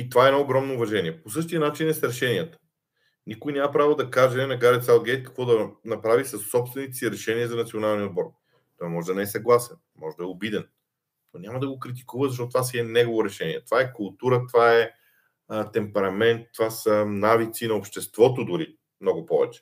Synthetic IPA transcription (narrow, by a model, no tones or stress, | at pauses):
it̪ovaɛnɔoɡɾɔmnoːvɐʒɛniɛpos̬ɤʃt̪ijənat͡ʃinɛsɛɾɛʃɛniət̪ə̥ | nikʊjnʲjamɐpɾavod̪ɐkaʒɛnɐɡaɾɛt̪salˠɡɛt̪kɐ̥kvɔd̪ɐnɐpɾavisɐsːɔpst̪vɛnit̪siɾɛʃɛniəzɐnɐt̪sionalˠnʲiod̪̚bɔɾ | t̪ɔamɔʒɛd̪ɐnɛɛsɐɡlˠasɛn | mɔʒɛd̪ɐɛʊbid̪ɛn | nonʲamɐd̪ɐɡokɾit̪̬i̥kuvəzɐʃtɔt̪t̪ovasiɛnɛɡovoɾɛʃɛniɛt̪ovaɛkʊlˠt̪uɾət̪ovaɛ | t̪ɛmpɛɾɐmɛnt̪ːovasənavit̪sinɐopʃt̪ɛst̪vɔt̪od̪ʊɾi | mnɔɡʊpɔvɛt͡ʃɛ̥